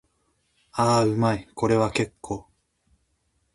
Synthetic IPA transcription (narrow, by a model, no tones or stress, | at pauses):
aːɯ̟maiko̞ɾe̞βake̞kʰːoː